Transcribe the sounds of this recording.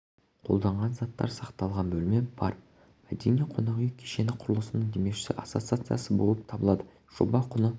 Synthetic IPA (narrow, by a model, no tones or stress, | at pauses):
qʰo̞̰lˠd̪ɑɴʁɑnzɑt̪ːɑ̰ɾsɑqt̪ɑlˠʁɑnbɵlɪmebɑ̰ɾ | mæd̪enijeqʰo̞nɑʁijkʲʰe̥ʃe̞nɪqʰʊɾəlˠəsənəɴd̪e̞meʃɪ̥sɪ̰ʔat̪so̞t̪sɨat̪sɨjasəbo̞lˠəp̚t̪ʰɑbəlˠɑd̪ə | ʒ̥o̰bɑqʰʊnə